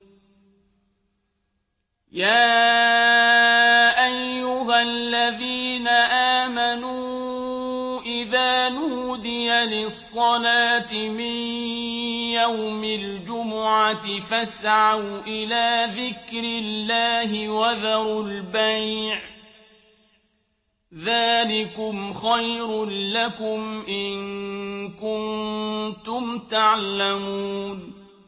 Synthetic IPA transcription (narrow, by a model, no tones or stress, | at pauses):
jaː | ʔajːʊɦalːaðiːnaʔaːmanuː | ʔɪðaːnuːd̪ɪjalɪsˤːɑlaːt̪ɪmɪn | jawmɪld͡ʒʊmʊʕat̪ɪfasʕawʔɪlaːðɪkɾɪlːaːɦɪwaðɑɾˤʊlbajʕ | ðaːlɪkʊmxajɾʊnlakʊmʔɪnkʊnt̪ʊmt̪aʕlamuːn